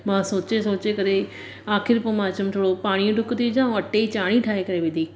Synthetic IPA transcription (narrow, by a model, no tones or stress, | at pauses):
mãːsoːt͡ɕesoːt͡ɕekɐɾe | aːxɪɾpomãːt͡ɕɐmt̪ʰoːɽopaːɽ̃ijũʈʊkt̪ʰiɪd͡ʑãːɐʈet͡ɕaːɽ̃iʈʰaːɦekɐɾeʋɪ̃d̪ʱiː